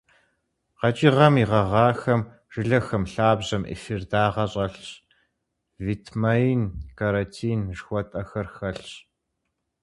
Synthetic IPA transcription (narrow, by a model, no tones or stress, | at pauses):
qɐt͡ʃʼiʁɐmiʁɐʁɑːxɐm | ʒ̥ɨɮɐxɐmɬaːbʑɐmʔḭfɪrdaːʁɐɕʼɐɬɕ | vitʰmɐinkʰaɾɐtʰiːnʒxʷɔtʼɐxɐrxɐɬɕ